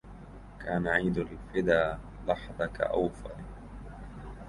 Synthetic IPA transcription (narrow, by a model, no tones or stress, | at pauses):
kʰaːnaʕiːd̪ʊllfɪd̪aː | lɑħðˤɑka̰ʔawfa̰ɾ